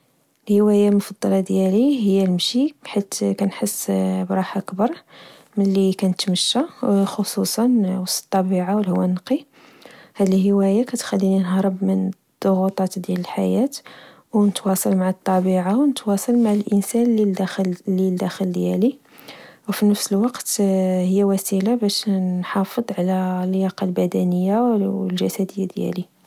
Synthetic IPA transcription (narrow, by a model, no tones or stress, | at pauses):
lhəwæjamʊfɑd̪ˤːɑlɑd̪jæliɦəjːælmʃibħit̪kænħəsːbɾˤɑħʔəkbɑɾˤ | mənlikænət̪məʃːaxosusˤɑnwɑsə̥t̪ˤːɑbiʕawəlhʊwːænqi | hæd̪əlhəwæjakæt̪xælːininɦɾˤəbmən | d̪̥ˤːoɣut̪ˤɑt̪d̪jæləlħa̰jæt̪ | wnət̪wɑsˤɑlmaʕət̪ˤːɑbiʕawnət̪wɑsˤɑlmaʕəlʔənsænːid̪lːild̪æxəld̪jæli | wfinəfsəlwɑqt̪həjːæwæsilabæʃħɑfəd̪ˤʕlælːjɑqɑlbæd̪ænəjːawlʒæsæd̪əjːad̪jæ̰li